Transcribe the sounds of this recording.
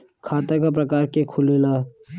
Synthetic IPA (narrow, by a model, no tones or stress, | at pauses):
kʰaːt̪akap̬ɾɐkaːɾkekʰʊlela